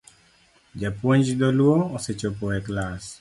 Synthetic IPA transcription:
d͡ʒapwoɲd͡ʒdɔlwoːset͡ʃopɔɛklas

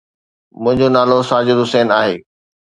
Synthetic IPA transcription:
mʊ̃ɦɪ̃ɲd͡ʑonaːlosaːd͡ʑod̪ʊsɛːnaːɦeː

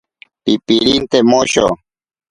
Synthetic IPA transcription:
pipiɾint̪emoɕo̰

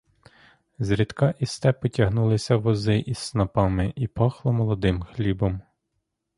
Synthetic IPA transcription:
zɾʲid̪kɑʔist̪ɛpɔtʲɐɦnulˠɪsʲɐʋɔzɪʔissnɐpɑmɪʔipɑxlˠɔmɔlˠɔd̪ɪmxlʲibɔm

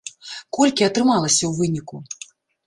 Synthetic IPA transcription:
kɔlʲkʲiɐt̪ɾɨmalˠɐsʲɐwvɨnʲiku

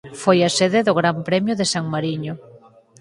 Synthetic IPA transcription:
fojaseðeðʊɣɾampɾɛmjʊðesaŋmaɾiɲʊ

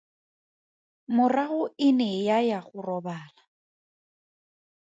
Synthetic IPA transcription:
mʊraɣʊɪnɛjajaχʊrɔbaːla

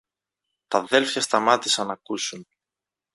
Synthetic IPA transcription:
t̪ɐðe̞lfçɐst̪ɐmɐt̪isɐnɐkusun

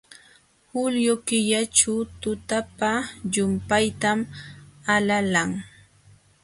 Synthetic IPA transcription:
hʊljʊkɪʎaʈ͡ʂat̪ʊt̪apaʎʊmpajt̪amalalaŋ

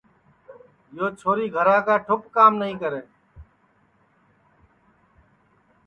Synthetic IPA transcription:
joːt͡ʃʰoːɾiːɡʱəɾaːkaːʈʰʊpkaːmnəɦĩːkəɾeː

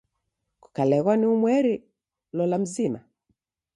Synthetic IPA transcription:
ku̥kalɛɣwaniumwɛɾi | lɔlam̩zima̰

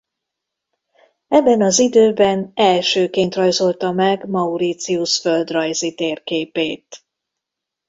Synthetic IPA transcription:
ɛbːɛnɒzid̪øːbɛnɛlʃøːkeːnt̪rɒjzo̞lt̪ɒmɛɡmɒuɾit̪siuʃfø̞ld̪rɒjzit̪eːrkeːpeːt̪

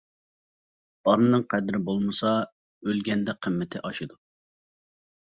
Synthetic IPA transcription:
ɑɾnɨnɨŋqʰɛd̪ɾɪbolˠmɨsɑ | ølɡʲɛnd̪ɛqʰəmːɪt̪ʰɪʔɑʃid̪u

